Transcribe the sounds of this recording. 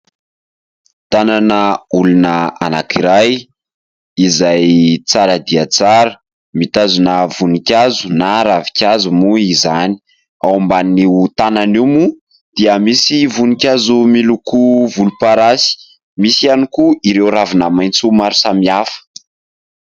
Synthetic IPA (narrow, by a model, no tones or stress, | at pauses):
t̪ananəulunəa̰nakiɾaj | izajt͡saɾəd̪iat͡saɾə | mit̪azunəvunikʲazunaɾavi̥kʲazumuizani̥ | awmbaniut̪ananimu | d̪̥iəmisivunikʲazumilukuvulupaɾasi̥ | misianikuiɾewɾavinamajnt͡sumaɾusamiafə̥